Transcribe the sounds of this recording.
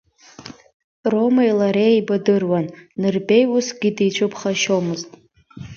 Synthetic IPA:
ro̞maijlaɾejibadɨrwanːɨrbe̞jusɡʲidit͡ɕʷʰɨpʰχaʃo̞mɨztʼ

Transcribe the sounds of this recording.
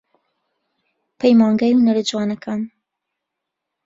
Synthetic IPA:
pʰejmaːŋɡaːjhunɐɾɨd͡ʒuwaːnɐkʰaːn

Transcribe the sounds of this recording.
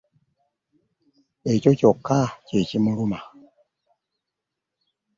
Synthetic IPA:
et͡ʃocɔkacet͡ʃimuɾuma

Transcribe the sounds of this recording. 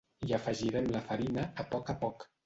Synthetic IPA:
iəfəʒiɾɛmləfəɾinəːpɔkəpɔk

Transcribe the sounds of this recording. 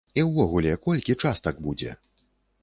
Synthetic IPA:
iwvɔɣulʲɛkɔlʲkʲit͡ʂast̪aɡ̚bud͡zʲɛ̰

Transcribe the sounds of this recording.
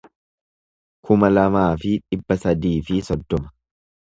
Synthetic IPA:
kʰʊmɐlɐmaːfɪᶑɪbːɐsɐd̪iːfɪsɔd̪ːɔmɐ̥

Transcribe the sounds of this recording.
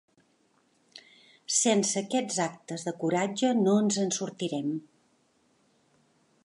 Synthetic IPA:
sensəːkɛd͡zak̚t̪əzðəkuɾad͡ʒənoənzənsuɾt̪iɾɛm

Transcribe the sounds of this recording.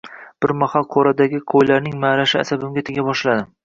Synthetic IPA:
b̥ɪɾmahalˠqʰoɾad̪aɡʲɪqʰojlaɾnɪŋmaɾaʃɪa̰sabɪmɡʲat̪ʰeɡʲabɒʃlad̪ɪ

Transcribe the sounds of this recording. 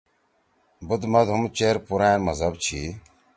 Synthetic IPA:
bʊd̪mɐd̪ʱumt͡ɕeːɾpuɾaːmɐzɐbt͡ɕʰiː

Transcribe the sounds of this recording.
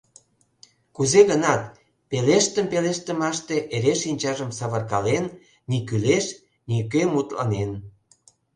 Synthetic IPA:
kuzeɣənɑt̪ | peleʃt̪əmpeleʃt̪ə̆mɑʃt̪eʔeɾeʃinʲt͡ɕɑʒəmsɑβərkɑlenː | ikyleʃ | nikømut̪lɑ̰nen

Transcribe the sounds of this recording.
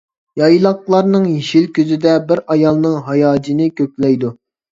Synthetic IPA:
jɑjlˠɑqlˠɑɾnɨŋjiʃilkʲøzɪd̪ɛbɪɾɑjɑlˠnɨŋɦɑjɑːd͡ʒinɨkʲʰøk̚ʲlɛjd̪u

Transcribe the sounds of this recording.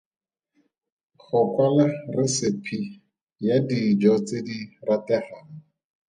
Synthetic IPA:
χʊkwalarɪsɪpʰi | jadid͡ʒɔt͡sediratɛχaːŋɔ

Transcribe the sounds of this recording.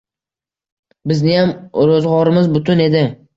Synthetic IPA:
bɪznɪjamɾozʁɒɾɪmɪzbʊt̪ʰʊne̞d̪ɪ

